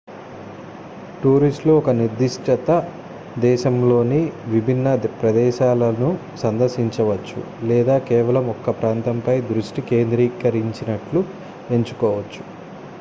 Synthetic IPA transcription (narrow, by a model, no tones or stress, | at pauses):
ʈuːɾisʈluɔkɐniɾd̪iʂʈɐt̪ɐ | d̪ɛːʃɐmlo̞ːniʋibʱinːɐpɾɐd̪ɛːʃaːlɐnu | sɐnd̪ɐɾʃiɲt͡ʃɐʋɐt͡ʃːṵ | lɛːd̪aːkɛːʋɐlɐmɔkːɐpɾaːnt̪ɐmpɐjd̪ɾuʂʈike̞ːnd̪ɾiːkɐɾiɲt͡ʃinɐʈlu | e̞ɲt͡ʃu̥kɔːʋɐt͡ʃːu̥